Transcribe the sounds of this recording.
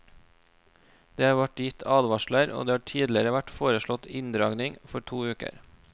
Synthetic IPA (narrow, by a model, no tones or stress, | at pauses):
d̪̥eːhɑːɾʋæʈjɪt̪ʰɑːd̪ʋɑʃləɾʔo̰ːd̪eːhɑːʈʰiːd̪lɪɾəʋæʈfoːɾəʃɭɔt̪ɪnd̪ɾɑːɡnɪŋfɔʈʰuːʉːkə̰ɾ